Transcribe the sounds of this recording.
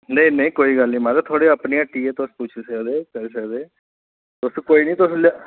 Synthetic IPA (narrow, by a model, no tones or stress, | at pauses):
neĩnəĩːkoːiːɡəlnĩːmãːɾet̪ʰoːɽeːəpnijãːʈiːeːt̪ʊsput͡ʃʰsəkd̪eːkɛːlsəkd̪eː | t̪ʊskoːiːnĩːt̪ʊsl